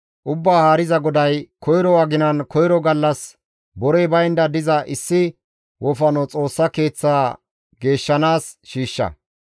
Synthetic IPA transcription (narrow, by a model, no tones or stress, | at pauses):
ʔʊbːaːhaːɾɪzɐɡɔd̪ɐjkɔjɾɔwɐɡɪnɐnkɔjɾɔɡɐlːɐs | bɔɾɛjbɐjnd̪ɐd̪ɪzɐʔɪsːɪ | wʔɔfɐnɔt͡sʼo̞ːsːɐke̞ːt͡sːaː | ɡe̞ːʃːɐnaːsʃiːʃːɐ̰